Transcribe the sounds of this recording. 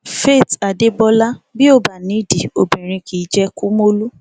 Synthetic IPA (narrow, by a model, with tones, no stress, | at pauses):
fe˦˨ta˨de˦bɔ˦la˦bi˦o˦˨ba˨nĩ˨˦˨di˨o˨bĩ˨ɾ̃ĩ˧kʰi˨˦d͡ʒɛ˧ku˦mo˦lu˦